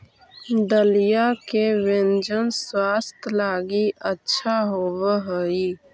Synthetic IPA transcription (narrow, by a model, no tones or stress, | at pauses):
d̪əlijakeʋẽnd͡ʒənswaːst̪ʰlaːɡiʔətːʃʰaɦoːwəɦəi